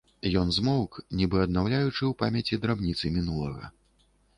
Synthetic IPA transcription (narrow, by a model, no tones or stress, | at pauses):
jɔnzmɔwknʲibɨɐd̪nawlʲajut͡ʂɨwpamʲɛt͡sʲid̪ɾabnʲit̪sɨmʲinulˠɐɣɐ̰